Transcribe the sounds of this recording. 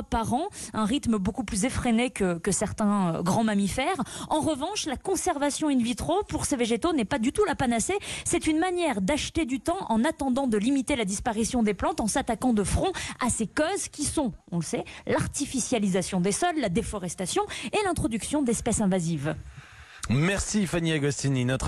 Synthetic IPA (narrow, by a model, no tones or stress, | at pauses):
paʁɑ̃ɛ̃ʁit̪məbokuplyzefχenekəkəsɛʁt̪ɛ̃øɡʁɑ̃mamifɛʁɑ̃ʁəvɑ̃ʃlakɔ̃sɛʁvasjɔ̃ynvit̪χopuʁseveʒet̪onɛpad̪yt̪ulapanasesɛt̪ynmanjɛʁd̪aʃt̪ed̪yt̪ɑ̃ʔɑ̃nat̪ɑ̃d̪ɑ̃d̪əlimit̪elad̪ispaʁisjɔ̃d̪eplɑ̃t̪ɑ̃sat̪akɑ̃d̪əfχɔ̃asekɔzkʲisɔ̃ɔ̃ləsɛlaʁt̪ifisjalizasjɔ̃d̪esɔlːad̪efɔʁɛst̪asjɔ̃elɛ̃t̪χɔd̪yksjɔ̃d̪ɛspɛsɛ̃vaziv | mɛʁsifaniaɡɔst̪ininɔt̪χ